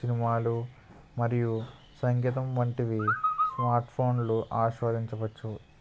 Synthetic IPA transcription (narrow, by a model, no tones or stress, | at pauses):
sinimaːlu | mɐɾiju | sɐŋɡit̪̬ɐmʋɐɳʈiʋismaːɾʈpʰo̞ːnluʔaːʃʋaːd̪ʱiɲt͡ʃɐʋɐt͡ʃːu